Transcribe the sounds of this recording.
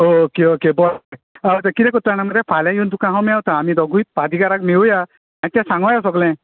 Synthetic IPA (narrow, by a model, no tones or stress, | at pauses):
ookeokebɔ | awt̪akiɾekɔt̪aɽ̃amad̪epʰalajunt̪ukãɦɔ̃meawt̪ʰaːmid̪ɔɡujt̪̚pad̪ʱikaɾakmewuja | ãt̪jãsaŋɡɔjas̬ɔɡlɛ̃